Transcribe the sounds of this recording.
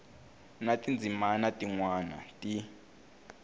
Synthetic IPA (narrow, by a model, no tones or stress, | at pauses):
natʼind͡zʱimanatʼiŋwana̰tʼi